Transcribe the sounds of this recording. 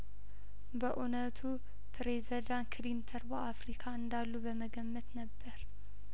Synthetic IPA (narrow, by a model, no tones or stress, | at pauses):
bəʔunət̪ʰu | pʰɾezd̪ankʰɨlint̪ʰəɾbəʔafɾikʰaɨnd̪alːubəməɡəmːət̪nəbːəɾ